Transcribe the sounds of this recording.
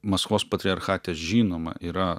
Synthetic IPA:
mɐskoːspɐt̪ʲɾʲɪɐɾxɑːt̪ʲeːsʒʲiːnoːmɐ̰ʔiːɾɐ

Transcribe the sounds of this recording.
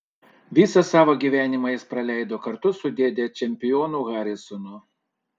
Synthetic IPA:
ʋʲiːsɐsɑːʋoːɡʲiːʋʲæːnʲɪmɐjɪspɾɐlʲæˑɪd̪oːkɐɾt̪ʊsʊd̪ʲeːd̪ʲeːt͡ʃʲɛmʲpʲɪjoːnuːɣɑːɾʲɪsɔno

